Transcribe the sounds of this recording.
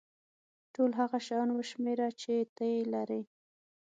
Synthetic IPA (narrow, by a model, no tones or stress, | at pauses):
ʈolɦaɣaʃanwəʃmeɾat͡ʃet̪əjelaɾi